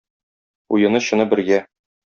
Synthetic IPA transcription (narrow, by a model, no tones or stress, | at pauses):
ujɤ̆nɤɕɤ̆nɤbɘ̆ɾɡæ